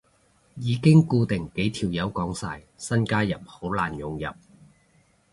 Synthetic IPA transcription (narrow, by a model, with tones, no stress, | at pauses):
jiː˨˧kɪ˥ŋkuː˧t̪ɪ˨˩ŋke˨˥jt̪ʰiː˨˩wjɐ˨˥wkɔː˨˥ŋsaː˧j | sɐ˥nkaː˥jɐ˨˩p̚ho˨˥wlaː˨˩njʊ˨ŋjɐ̰˨p̚